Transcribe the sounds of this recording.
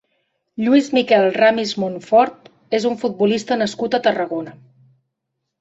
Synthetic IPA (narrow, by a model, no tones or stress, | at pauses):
ʎwizmikɛlˠramizmonfɔɾt̪ | ezuɱfud̪̚bulist̪ənəskut̪ət̪ərəɣonə